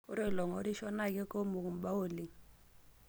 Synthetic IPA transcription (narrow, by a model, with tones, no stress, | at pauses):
ʊ˦ɾi˦˨lɔ˨ŋo˦ɾi˦ʃɔ˦na˦˨k̬ʼɛ˦ko˦mu˨ŋu˨m̩˨ɓa˦oː˦˨li˨ŋ